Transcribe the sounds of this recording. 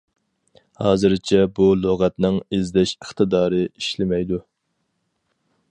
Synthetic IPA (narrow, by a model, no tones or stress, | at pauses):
hɑːzɨɾt͡ʃʰɛbulˠoʁɛt̪nɪŋezd̪ɛʃəχt̪ɨd̪ɑːɾɨiʃlɪmɛjd̪u